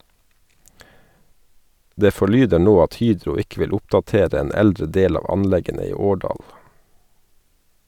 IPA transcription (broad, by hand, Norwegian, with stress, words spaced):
ˈdeː fɔˈɭyːdə ˈɳoː ˈɑt ˈhyːdɾʊ ˈɪkə ˈʋɪl ˈʊpdɑˌteːɾ ˈeːn ˈɛldɾə ˈdeːl ˈɑːʋ ˈɑnˌlɛɡənə ˈiː ˈoːɖɑːl